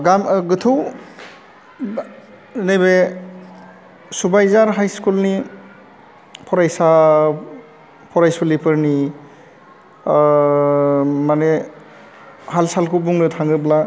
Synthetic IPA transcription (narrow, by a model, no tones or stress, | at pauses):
ɡamɡɯtʰuw | nejbe | subajzaɾɦajskulni | pʰɔɾajsa | pʰɔɾajsɔlipʰɯɾni | mane | halsalkʰubuŋnɯtʰaŋɡɯbla